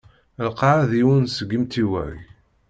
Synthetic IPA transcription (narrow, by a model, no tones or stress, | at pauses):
lqːɑʕðiwənsəɡːəmt̪iwæ̰j